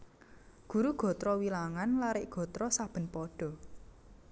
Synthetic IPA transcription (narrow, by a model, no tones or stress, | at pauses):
ɡ̥ṳɾuɡ̥ɔ̤t̪ɾɔwilaŋanlaɾɪʔɡ̥ɔ̤t̪ɾɔsab̥ə̤npɔɖ̥ɔ̤